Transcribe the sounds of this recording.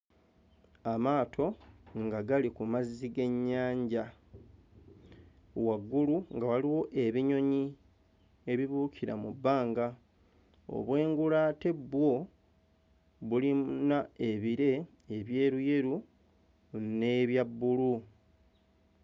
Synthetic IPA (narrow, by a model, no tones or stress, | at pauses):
amaːtʰo̞ŋɡaɡalikumazːiɡe̞ɲːaːɲɟa | waɡːuluŋɡawaliwo̞ʔe̞βiɲo̞ɲi | e̞βiβuːcʰiɾa̰mubːaːŋɡa | o̰βwe̞ːŋɡulaːte̞bwo̞ | βulinae̞βiɾe̞ː | βje̞ːɾuje̞ɾu | ne̞βjabːulu